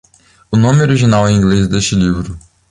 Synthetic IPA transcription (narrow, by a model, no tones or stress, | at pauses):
ʊnõmɪioɾiʒinawɛ̃ĩɡlezd̪eʃt͡ʃɪlivɾʊ